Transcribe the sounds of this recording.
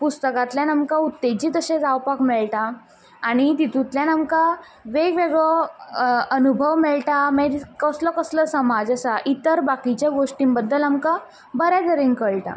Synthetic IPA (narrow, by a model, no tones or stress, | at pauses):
pust̪əkat̪ljanamkaut̪ːet͡ɕit̪əɕẽd͡zawpakmeɭʈaː | ɽ̃it̪it̪ut̪ljanamka | ʋeɡʋeɡɭɔ | ənubʱəʋmeɭʈameɾkəslɔkəsləsəmad͡zəsaʔit̪əɾbakit͡ɕjaɡoʂʈimbəd̪ːəlamka | bəɾad̪əɾiŋkəɭʈa̰